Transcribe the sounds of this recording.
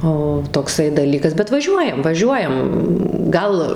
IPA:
ˈoː toːkˈsɐɪ dɐˈlʲiːkɐs bʲɛt ʋɐˈʒʲuɔjɛm ʋɐˈʒʲuɔjɛm ˈɡɐlˠ

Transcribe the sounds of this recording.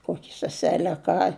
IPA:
ˈkoːkʲɪ sʲɛˈsʲæːlʲɛ ɐ ˈkɑː

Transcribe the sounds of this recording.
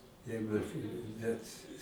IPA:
ˈjɛɪɡʊ ˈnʲɛtʲ

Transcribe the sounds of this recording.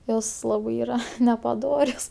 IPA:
ˈjoːs ˈlˠɑːbɜ ˈiːrɐ nʲɛpɐˈdoːrʲoːs

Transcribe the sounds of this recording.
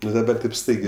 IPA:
ˈnʊ dɐˈbɐr tʲeːp ˈstɐɪɡʲeː

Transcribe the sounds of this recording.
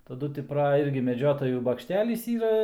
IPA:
tɐˈdʊ tʲɪ ˈprɐ ˈɪrʲɡʲɪ mʲɛˈd͡ʒʲoːtɐjuː bɐkʃʲˈtʲæːlʲiːs ˈiːrɐ

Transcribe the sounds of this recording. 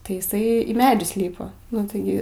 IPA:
tɐɪ ɪˈsɐɪ iː ˈmʲæːd͡ʒʲʊs ˈlʲiːpɐ nʊ tɐɪˈɡʲɪ

